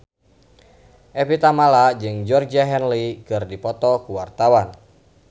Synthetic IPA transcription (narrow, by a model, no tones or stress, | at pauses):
ʔɛpit̪amalad͡ʒɨŋd͡ʒɔrd͡ʒaɦɛnlikɨrdipɔt̪ɔkuwart̪awan